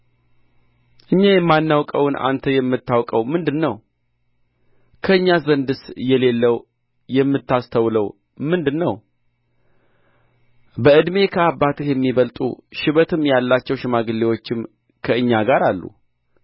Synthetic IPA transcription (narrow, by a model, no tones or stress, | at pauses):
ʔɨɲːajɛmːanːawkʼəwʊnʔa̰nt̪ʰəjɛmːɨt̪ːawkʼəwmɨnd̪ɨnːəw | kʰəɨɲːazənd̪ɨsjɛle̞lːəw | jɛmːɨt̪ːast̪ʰəwləw | mɨnd̪ɨnːəw | bəɨd̪me̞kʰəabːat̪ɨhjɛmːiβəlt̪ʼṵʃɪβət̪ʰɨmjalːat͡ʃːɛwʃɪmaɡɨlːewo̞t͡ʃːɪm | kʰəɨɲːaɡaɾalːṵ